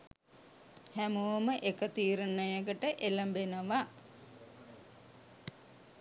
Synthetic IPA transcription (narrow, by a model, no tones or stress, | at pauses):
hæmoːməʔekət̪iːɾənːəjəɡəʈəʔeləmbenəʋa